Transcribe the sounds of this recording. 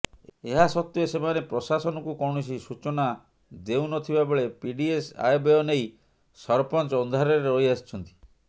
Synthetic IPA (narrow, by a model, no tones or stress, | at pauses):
eɦasɔt̪ːjosemanepɾɔsasɔnɔkukɔɽ̃ɔsisut͡ʃɔna | d̪ewnɔt̪ʰibabeɭepiɖiesa̰jbeɔnej | sɔɾpɔnt͡ʃɔːnd̪ʱaɾɔɾeojast͡ʃʰɔnt̪i̥